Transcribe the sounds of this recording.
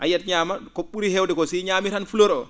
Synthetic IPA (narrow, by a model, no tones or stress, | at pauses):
ʔa̰jatɲaːmakoɓuɾihɛwdɛkosiɲaːmiɾanfuloɾɔ